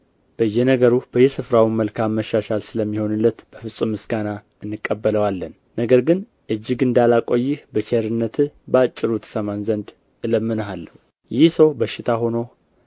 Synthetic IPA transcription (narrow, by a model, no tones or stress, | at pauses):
b̥əjːɛnəɡəɾub̥əjɛsɨfɾawinməlkʰamːəʃaʃalsɨləmːiho̞nɨlːət̪b̥əfɨsʼumɨsɡana | ɨnːɨkʼːəbːələwalːənːəɡəɾɡɨn | ʔɨd͡ʒːɪɡɨnd̪alakʼo̞jːɪhbət͡ʃʰeɾɨnːət̪ʰɨbəat͡ʃʼːɪɾut̪ʰə̥səmanzənd̪ | ɨləmːɨnəɦalːəh | jɪhsəwbəʃːɪt̪ʰaɦo̞no̞